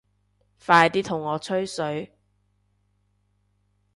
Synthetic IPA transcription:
faː˧jt̪iː˥t̪ʰʊ˨˩ŋːɔː˨˧t͡sʰɵ˥ɥsɵ˨˥ɥ

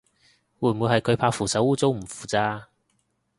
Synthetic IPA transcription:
wuː˧jmuː˨˧jhɐ˨jkʰɵ˨˧ɥpʰaː˧kfuː˨˩sɐ˨˥wuː˥t͡so˥wm̩˨˩fu̥ː˨˩t͡saː˧

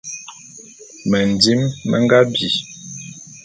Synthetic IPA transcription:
mə˨n˨di˦mːə̰˦ŋ˦ɡa˦bi˨

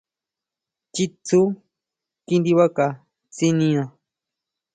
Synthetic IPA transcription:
t͡ʃi˦t͡su˦ | ki˧nd̪i˧βa˦ka˧ | t͡si˦nĩ˧ã˧

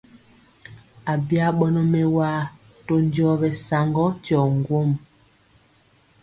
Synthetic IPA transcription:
a˨bja˦ɓɔ˦nɔ˦mɛ˦waː˦ | to˦ɲd͡ʒɔ˦bɛ˨sa˨ŋɡɔ˦t͡ʃɔ˨ŋɡwo˦m

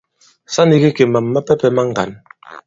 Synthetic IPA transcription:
sa˦ni˦ɣi˦ke˨ma˨mːa˦pɛ˦pɛ˦ma˦ŋ˨ɡa̰˨n

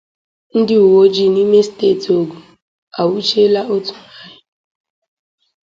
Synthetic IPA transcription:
n̩˦dɪ˦u˨wo˦d͡ʒi˦˨ni˦me˦steː˦˨ti˨o˨ɡu˨ | a˨wu˦t͡ʃe˦la˦ʔo˦tu̥˨na˦ɦɪ˨

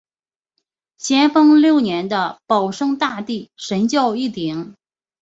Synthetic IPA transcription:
ɕjɛ˥nfɤ˥ŋljo˥˩ʊnjɛ˧˥nd̪ə˧pɑ˨˩ʊʂɤ˥ŋt̪a˥˧t̪i˥˩ʂə˧˥nt͡ɕjɑ˥˧ʊi˥˩t̪i˨˩˦ŋ

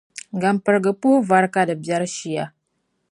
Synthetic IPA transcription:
ɡa˨mpə˨ɾɡə˨pu˦hu˦va˦ɾka˦də˨bja˦ɾʃi˨ja˦

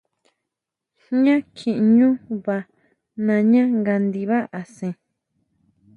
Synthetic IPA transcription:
ɲã˦kʰĩ˨ʔɲũ˦βa˧ | nã˧ɲã˦ŋɡa˧nd̪i˧βa˦ʔa˨sẽ˧

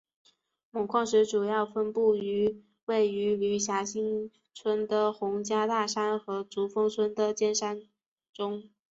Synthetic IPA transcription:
mʊ˨˩ŋkʰwɑ˥˩ŋʂɻ̩˧˥ʈ͡ʂu˨˩jɑ˥˩ʊfə˥npu˥˩y˧˥ | we˥˩ɪy˧˥ly˧˥ɕja˧˥ɕi˥ŋ | t͡sʰwə˥nd̪ə˨xʊ˧˥ŋt͡ɕja˥t̪a˥˩ʂa˥nxɤ˧˥t͡su˧˥fɤ˥ŋt͡sʰwə˥nd̪ə˨t͡ɕjɛ˥˧nʂa˥n | ʈ͡ʂʊ˥ŋ

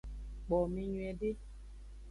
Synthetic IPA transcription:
k͡pɔ˨mĩ˨ɲwɛ˨de˦

